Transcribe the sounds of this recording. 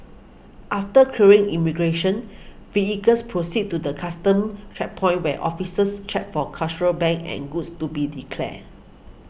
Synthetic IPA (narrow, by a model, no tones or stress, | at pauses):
ʔaftəkʰuɹĩŋimiɡɹeʃə̃n | fiikəspʰɹosid̚tːudəkʰastə̃mt͡ʃɛk̚pʰɔ̃ɪ̃nwɛʔɔ̰fisəst͡ʃɛk̚fɔkʰalt͡ʃəɹəlbɛ̃ŋkɛ̰̃nɡutstubidikʰlɛ̰